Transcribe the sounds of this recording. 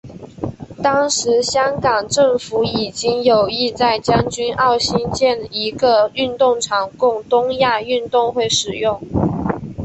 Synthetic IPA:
t̪ɑ˥ŋʂɻ̩˨˧˥ɕjɑ˥ŋkɑ˨˩ŋʈ͡ʂɤ˥˩ŋfu˧˥i˨˩t͡ɕi˥ŋjo˨˩ʊi˥˧t͡sa˥˩ɪt͡ɕjɑ˥ŋt͡ɕy˥nʔɑ˥˩ʊɕi˥nt͡ɕjɛ˥˩ni˧˥ɡə˧y˥˧nt̪ʊ˥˩ŋʈ͡ʂʰɑ˨˩ŋkʊ˥˩ŋt̪ʊ˥ŋja˥˧y˥˧nt̪ʊ˥˧ŋxwe˥˩ɪʂɻ̩˨˩jʊ˥˩ŋ

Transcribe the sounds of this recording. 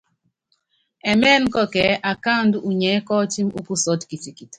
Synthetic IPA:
ɛ˨mɛ˦nkɔ˦kɛ˨ʔa˨ka˦˨ndu˦ʔu˨ɲɛ˨˦kɔ˦ti˦mṵ˦ku˦sɔ˨˦tki˨ti˨ki˨t

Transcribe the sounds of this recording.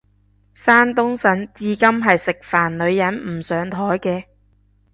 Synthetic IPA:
saː˥nt̪ʊ˥ŋsɐ˨˥nt͡siː˧kɐ˥mɦɐ˨jsɪ˨k̚faː˨˩nlɵ˨˧ɥjɐ˨˥nm̩˨˩sœː˨˧ŋt̪ʰɔː˨˥jkɛː˧

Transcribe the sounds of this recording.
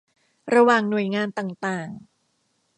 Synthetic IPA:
ɾa˧waː˨˩ŋnu˨˩əjŋaː˧nt̪aː˨˩ŋt̪aː˨˩ŋ

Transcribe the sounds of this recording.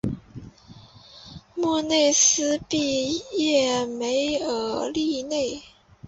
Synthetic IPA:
mu˥˧ne˥˩ɪsɹ̩˥pi˥˧jɛ˥˩me˧˥ɪə˨˧˥li˥˧ne˥˩ɪ

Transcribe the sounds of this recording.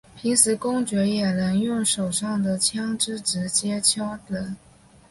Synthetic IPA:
pʰi˧˥ŋsɹ̩˨˥kʊ˥ŋt͡ɕɥɛ˧˥jɛ˨˩nə˧˥ŋjʊ˥˩ŋʂo˨˩ʊʂɑ˥˩ŋd̪ə˩t͡ɕʰjɑ˥ŋʈ͡ʂɻ̩˥˩ʈ͡ʂɻ̩˧˥t͡ɕjɛ˥t͡ɕʰjɑ˥ʊt̪ə˧˥˦n

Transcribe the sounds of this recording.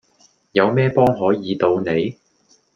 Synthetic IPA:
jɐ˨˧wmɛː˥pɔː˥ŋɦɔː˨˥jiː˨˧t̪o˧wne˨˧j

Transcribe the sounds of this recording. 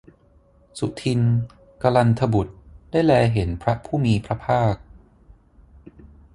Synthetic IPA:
su˨˩t̪ʰi˧n | ka˧la˧nt̪ʰa˧bu˨˩t̪̚da˥˩jlɛː˧ɦe˩˦npʰɾa˦˥pʰuː˥˩miː˧pʰɾa˦˥pʰaː˥˩k̚

